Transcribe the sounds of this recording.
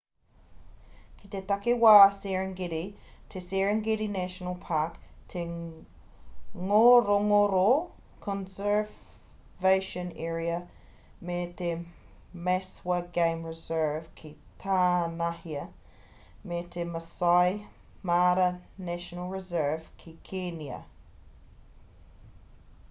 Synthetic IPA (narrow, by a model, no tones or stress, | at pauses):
kʰit̪et̪ɐkewaːsɛɹəŋɡeɾit̪ʰesɛɹəŋɡeɾinæʃənəlˠpʰakt̪ʰe | ŋoɾoŋoɾo | kʰɔ̃nsə˞v | veɪʃə̃nɛːɹiə | met̪ʰe | mɛswək̚ɡ̥ẽɪ̃mɹɪzɜːv̥kʰit̪ʰaːnahiə | met̪ʰeməsaɪ | maːɾənæʃənəlˠɹɪzɜːv̥kʰikʰenjə̰